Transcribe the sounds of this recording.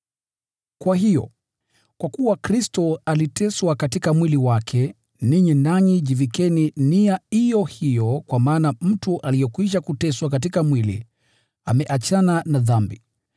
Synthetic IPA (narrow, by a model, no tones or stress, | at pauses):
kwaɦijɔ̰ | kwakuwakɾistɔalitɛswakatikamwiliwakʰɛ | niɲinaɲiʄivikɛniniaijɔhijɔkwamaːnam̩tuʔalijɛkwiʃ̬akutɛswakat̬ikamwilḭ | amɛʔat͡ʃananaðambḭ